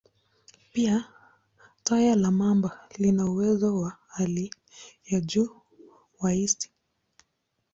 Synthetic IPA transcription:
pia | tajalamambalinauwɛzɔwahali | jaʄuː | waisi̥

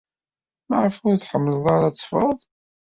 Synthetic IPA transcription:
maʕəfʊɾθħəmːləðˤɑɾat͡sːfəðˤ

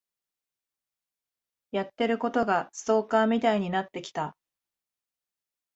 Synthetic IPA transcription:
jat̪ːe̞ɾɯ̟ko̞t̪o̞ɡaso̞ːkãːmʲit̪aiɲ̟inat̪ːe̞kʲi̥t̪a

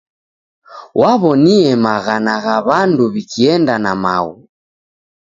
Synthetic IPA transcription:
waβɔniɛmaɣanaɣaβanduβikʰiɛndanama̰ɣu

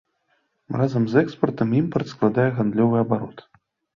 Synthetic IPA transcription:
razɐmzɛkspɐrt̪ɐmimpɐrt̪sklˠad̪ajɛɣand̪lʲɔvɨjɐbaɾɔt̪

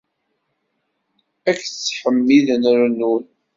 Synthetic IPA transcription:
ækːt͡sːħəmːiðnəɾnun

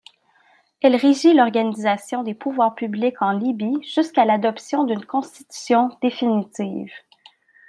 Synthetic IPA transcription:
ɛlʁeʒilɔʁɡanizasjɔ̃d̪epuvwaːʁpyblikɑ̃libiʒ̥yskalad̪ɔpsjɔ̃d̪ynkɔ̃st̪i̥t̪y̥sjɔ̃d̪̥efinit̪iːv

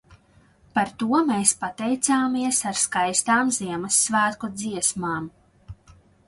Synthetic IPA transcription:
paɾt̪uɔmeːspat̪ɛjt̪saːmiɛsaɾskajst̪aːmziɛmɐsːvæːt̪kɔd̪ziɛsmaːm

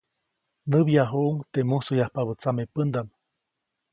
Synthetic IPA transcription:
nɨβjaɦuʔuŋt̪emusujahpaβət͡samepənd̪am

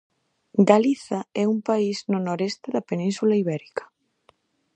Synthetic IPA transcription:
ɡaliθaɛumpaiznʊnoɾest̪ɪðɐpenĩnsulaiβɛɾikḁ

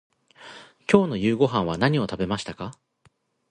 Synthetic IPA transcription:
kʲo̞ːno̞jɯ̟ːɡo̞ɦãɰ̃βanaɲ̟io̞t̪abe̞maɕi̥t̪aka

